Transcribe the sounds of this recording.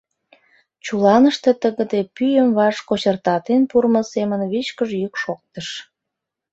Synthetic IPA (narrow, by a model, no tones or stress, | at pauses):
t͡ɕulɑnəʃt̪e̽t̪əɣə̆d̪epyjəmβɑʃkot͡ɕərt̪ɑt̪enpurməsemənβit͡ɕkəʒjykʃok̚t̪əʃ